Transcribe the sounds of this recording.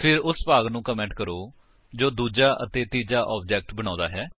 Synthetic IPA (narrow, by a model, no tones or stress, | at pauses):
pʰɪɾʊspaːɡnũːkəmɛ̃ːɳʈkəɾoː | d͡ʒoːd̪uːd͡ʒaːʔə̰t̪eːt̪iːd͡ʒaːʔɔːb̚d͡ʒɛːk̚ʈbəɽ̃ãːd̪aːɦɛː